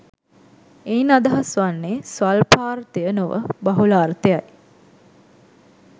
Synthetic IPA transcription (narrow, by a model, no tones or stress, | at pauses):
einad̪ɐɦɐsʋanːesʋalpaːɾt̪ejənoʋə̰baɦulaːɾt̪ejaj